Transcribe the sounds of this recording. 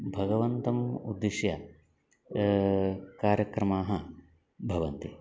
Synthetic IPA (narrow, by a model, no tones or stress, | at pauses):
bʱɐɡɐʋɐnt̪ɐmud̪ːiʂjɐ | kaːɾjɐkɾɐmaːɦɐ | bʱɐʋɐnt̪i